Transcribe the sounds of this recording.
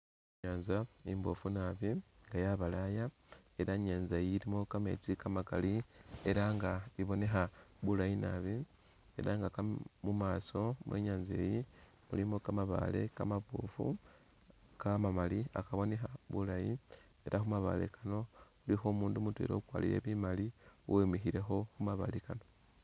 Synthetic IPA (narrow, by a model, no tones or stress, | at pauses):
ɲaːnzaimbo̞funaβiŋɡajaβalaja | eɾaɲaːnzajiɾimo̞kame̞̰t͡sikamakalie̞ɾaŋɡaiβone̞xaβulajina̰βi | e̞ɾaŋɡakamumaːso̞mwḛɲaːnze̞̰ːji | mṵlimo̞kamaβa̰le̞̰kamapufṵ | kamamalia̰kaβo̞nexaβulaji | e̞ɾʔaxumaβa̰lḛkano̞ulixoːmuːndumutwḛɾo̞ukwaːlḭɾe̞̰βimaliwemixiɾe̞xo̞xumaβa̰likano̞